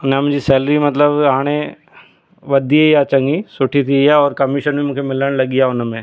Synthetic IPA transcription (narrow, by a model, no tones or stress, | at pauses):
ʊnamʊ̃ɲd͡ʑisɛːləɾimɐt̪ləbɦaːɽ̃ẽ | ʋɐd̪ʱieijat͡ɕɐ̃ŋɡisʊʈʰit̪ʰiijaɔːɾkɐmɪʃənbʱimũːkʰemɪləɽ̃lɐɠijaʊnmẽ